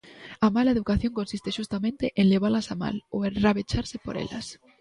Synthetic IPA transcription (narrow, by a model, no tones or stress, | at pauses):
amalaeðukaθjo̞ŋko̞nsist̪eʃust̪amẽnt̪eʔenleβ̞aɾlasama̰loenraβet͡ʃaɾsepoɾḛla̰s